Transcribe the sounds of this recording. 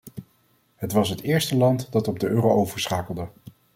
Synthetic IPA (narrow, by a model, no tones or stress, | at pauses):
ɦətʋɑsɦətɪːɹstəlɑntdɑtɔb̚dəʔøːrowʔowvəɹsχaːkəlˠdə